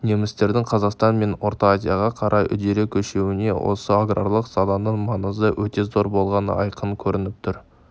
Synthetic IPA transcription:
ne̞mɪst̪e̞ɾd̪ɪŋqʰɑzɑqst̪ɑnme̞no̞ɾt̪aazʲijaʁɑqʰɑɾʔɑjʏ̰d̪e̞ɾekʲʰɵʃe̞wɪne̞̰wʔo̞̰səaɡro̰lˠəqz̥ɑd̪ˠɑnəɴmɑnəzəwɵt̪e̞zo̞ɾbo̞lˠʁɑnə̰ʔɑjqənkʲʰɵɾɪnɪp̚t̪ʰʊɾ

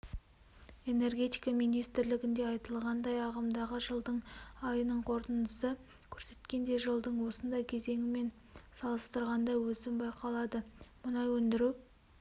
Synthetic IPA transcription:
e̞ne̞rɡʲe̞t̪ijkɑmijnijst̪ɪɾlɪɡʲɪnd̪e̞ɑjt̪əlˠʁɑnd̪ɑjɑʁəmd̪ɑʁəʒəlˠd̪əɴɑjənəɴqʰo̞ɾt̪ənd̪əsə | kʲʰɵɾse̞̥t̪kʲe̞nd̪e̞ʒəlˠd̪əɴwo̞sənd̪ɑjkʲʰe̞ze̞ŋʲɪme̞n | sɑlˠəst̪əɾʁɑnd̪ɑjwɵzɪmbɑjqɑlˠɑd̪əmʊnɑjwɵnd̪ɪɾu

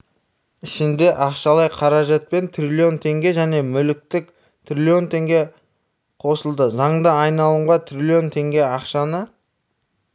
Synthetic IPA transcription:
ɪʃɪnd̪e̞ʔɑqʃɑlˠɑjqʰɑɾɑʒɑt̪̚pe̞nt̪ʰrʲilʲio̞nt̪ʰe̞ŋɡʲe̞ʒæne̞mʏlɪk̚t̪ɪk | t̪ʰrʲilʲio̞nt̪ʰe̞ŋɡʲe̞ | qʰo̞səlˠd̪əzɑɴd̪əɑjnɑlˠəɴʁɑt̪ʰrʲilʲio̞nt̪ʰe̞ŋɡʲe̞ɑqʃɑnə

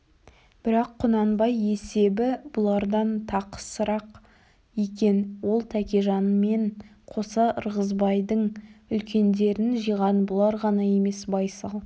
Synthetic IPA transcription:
b̥ɪɾɑqʰːʊnɑnbɑje̞se̞bɪbʊlˠɑɾd̪ɑnt̪ʰɑqə̥səɾɑq | ekʲe̞nwo̞lˠt̪ʰækʲeʒɑnme̞ɴqʰo̞sɑəɾʁəzbɑjd̪əɴʏlkʲe̞nd̪e̞ɾɪnʒijʁɑnbʊlˠɑɾʁɑnɑje̞me̞sbɑjsɑlˠ

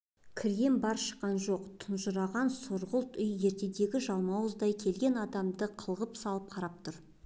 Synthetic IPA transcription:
kʲʰɪɾjʲe̞mbɑɾʃə̥qːɑnʒo̞qt̪ʰʊnʒʊɾɑʁɑnsoɾʁəlˠt̪ʏjːe̞ɾt̪e̞d̪e̞ɡʲɪʒɑlˠmɑwəzd̪ɑjkʲʰe̞lɡʲe̞nɑd̪ɑmd̪əqʰəlˠʁəpsɑlˠəp̚qʰɑɾɑp̚t̪ʰʊɾ

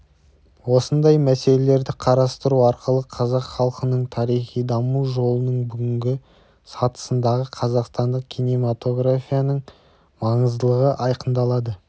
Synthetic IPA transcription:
wo̞sənd̪ɑjmæse̞le̞le̞ɾd̪ɪqʰɑɾɑst̪əɾuɑɾqəlˠəqʰɑzɑqχɑlˠqənəɴt̪ʰɑɾijχijd̪ɑmuʒo̞lˠənəɴbʏɡʲɪŋɡʲɪ | sɑt̪ə̥sənd̪ɑʁəqʰɑzɑqst̪ɑnd̪əq̚kʲʰijnemat̪o̞ɡrafʲijanəɴ | mɑɴəzd̪əlˠəʁəʔɑjqənd̪ɑlˠɑd̪ə

